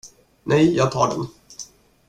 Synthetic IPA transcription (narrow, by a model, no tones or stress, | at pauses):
nʔɛjjɑːɡ̚t̪ʰɑ̰ːɖɛ̰n